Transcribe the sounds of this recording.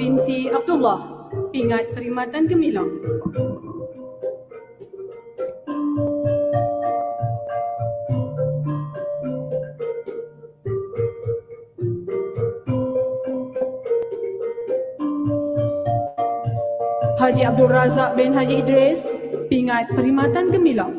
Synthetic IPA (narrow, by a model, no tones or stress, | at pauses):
bint̪iab̚d̪ulːahpiŋat̪̚kəɾimat̪ankəmilaŋ | had͡ʒiab̚duɾazaʔ̚bɛnɦad͡ʒiːdɾɛspiŋãt̪̚pəɾimat̪ankəmilaŋ